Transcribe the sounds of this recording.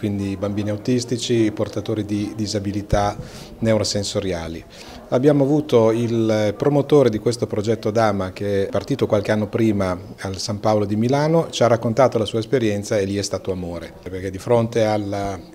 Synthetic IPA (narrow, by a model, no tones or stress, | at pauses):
kwind̪ibambiːniawt̪ist̪it͡ʃiport̪at̪oːɾid̪id̪izabilit̪a | newɾosensoɾjaːli | abːjaːmoavuːt̪oilpɾomot̪oːɾed̪ikwest̪opɾod͡ʒɛt̪ːod̪aːmak̟eɛpart̪iːt̪okwalkeanːopɾiːma | alsampaolod̪imilaːnot͡ʃiarakːont̪aːt̪olasuːaespeɾjɛnt̪saelːiɛst̪aːt̪oamoːɾeperk̟ed̪ifɾont̪eala